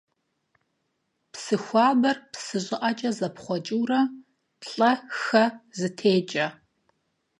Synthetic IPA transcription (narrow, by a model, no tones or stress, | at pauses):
psɨxʷɑːbɐrpsɨʑʼɪʔɐt͡ʃʼɐzɐpχʷɔt͡ʃʼuːrɐ | ɬʼɐxɐzɨtʰeːt͡ʃʼɐ